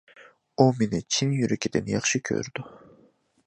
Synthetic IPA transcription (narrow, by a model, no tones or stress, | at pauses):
ominɪt͡ʃʰinjyɾɛkʲʰid̪ɛnjɑχʃɯkʰø̰ɾd̪̥ʊ